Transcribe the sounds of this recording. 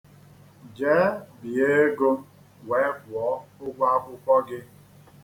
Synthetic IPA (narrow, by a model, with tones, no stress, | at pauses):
d͡ʒeː˦bi˨e˦ɡo˦ | we˨˦kʷɔː˨˦ʊ˦ɡʷa˦kʷʊ˦kʷɔ˦ɡɪ˦